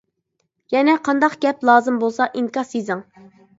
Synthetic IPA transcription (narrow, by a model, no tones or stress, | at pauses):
jɛnɛqʰɑnd̪ɑqɡ̥ʲɛplˠɑːzɨmbolˠsɑʔiŋkɑsezɪŋ